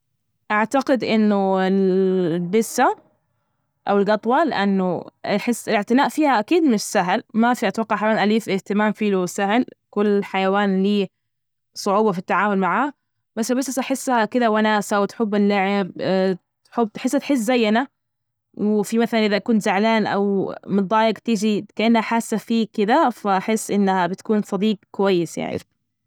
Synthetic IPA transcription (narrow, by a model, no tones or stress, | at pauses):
ʔaʕt̪aɡɪd̪ʔɪnːʊɪlbɪsːa | ʔawɪlɡɑt̪ˤwɑlɪʔanːʊɪħɪsːɪlɪʕt̪ɪnaːʔfiːhaʔakiːd̪mɪnsːaɦlmafiʔat̪wɑqːɑʕħalaːnʔaliːfʔɪht̪ɪmaːmfiːlusahlkʊlːħajawaːnliː | sˤʊʕuːbɑfit̪ːaʕaːmʊlmaʕaːh | masalbasasʔaħɪsːahakɪd̪awanaːsawɪt̪ħʊbːɪlːaʕɪb | ħʊb̚ːt̪ħɪsːat̪ħɪs̬zajːana | wfimaθalanʔɪðakuːnzaʕlaːnʔa̰wmɨnd̪ˤɑːjɪɡt̪ɪd͡ʒikaʔanːhaħaːsːafiːkɪd̪afaʔaħɪsːʔɪnːhabɪt̪kuːnsˤɑd̪iːq̚kʊwajːɪsja̰ʕnḭ